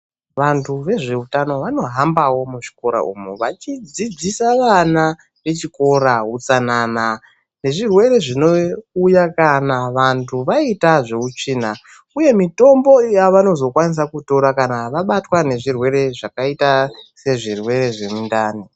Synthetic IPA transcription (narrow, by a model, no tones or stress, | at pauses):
ʋantʰuʋe̞ʐe̞utano̞ʋano̞ɦambawo̞muʐi̥ko̞ɾa̰ṵmuʋat͡ʃid͡zid͡zisaʋana | ʋe̞t͡ʃiko̞ɾaɦut͡sanana | ne̞ʐirwe̞ɾe̞ʐino̞ujakanaʋantʰuʋaitaʐe̞ut͡ʂiːna | uje̞mito̞mbo̞jaʋano̞zo̞kwanis̬akuto̞ɾakanaʋaɓatwane̞ʐirwe̞ɾe̞ʐakaitase̞ʐirwe̞ɾe̞ʐe̞mundaːni